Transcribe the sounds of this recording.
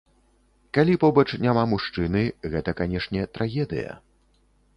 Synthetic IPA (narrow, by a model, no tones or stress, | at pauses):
kalʲipɔbɐt͡ʂnʲamamuʂt͡ʂɨnɨɣɛt̪ɐkanʲɛʂnʲɛt̪ɾaɣʲɛd̪ɨ̰jɐ̰